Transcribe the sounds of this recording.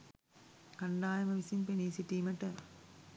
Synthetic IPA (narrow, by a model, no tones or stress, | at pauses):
kɐɳɖaːjɐmɐʋisinpeniːsiʈːiːmɐʈːɐ